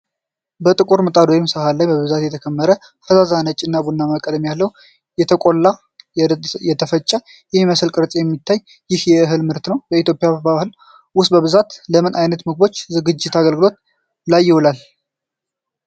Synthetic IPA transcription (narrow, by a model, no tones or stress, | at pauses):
bət̪ʼɨkʼuɾmət̪ʼad̪ojimsəhalːajbəβɨzat̪jɛt̪ʰəkʰəmːəɾə | fəzazanət͡ʃʼːɪnːabunːamakʼəd̪mjalːəhw | jɛt̪ʰəkʼo̞lːa | jɛt̪ʰəfət͡ʃʼːə | jɛiməsɨlkʼɨɾt̪ʼjɛmːit̪ʰːajː | jɪhjɛɨɦɨlmɨɾt̪nəwbəit̪ʰjo̞pʼjabahɨl | wʊst̪ʼbəβɨzat̪ləmɨnʔajnət̪mɨɡ̚bo̞t͡ʃːzɨɡɨd͡ʒːɪt̪ʰaɡəlɡɨlo̞t̪ | lajːɪwulal